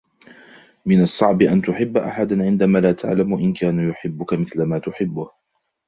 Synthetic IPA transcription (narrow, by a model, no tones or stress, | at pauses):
mɪnɑsˤːɑʕbɪʔant̪ʊħɪbːʔa̰ħad̪aʕɪnd̪amaːlaːt̪ʰa̰ʕlamʊʔɪnkaːnjʊħɪbːʊkamɪθlamaːt̪ʊħɪbːʊh